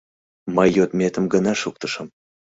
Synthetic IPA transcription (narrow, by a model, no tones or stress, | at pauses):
məjːot̪mʲet̪ə̆mɡənɑʃuk̚t̪əʃə̆m